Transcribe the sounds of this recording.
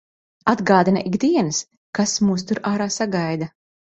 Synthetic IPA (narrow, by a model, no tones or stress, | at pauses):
ad̪ɡɑːd̪inaʔiɡd̪iɛnɨs | kasmuːst̪uɾaːɾaːsaɡajd̪a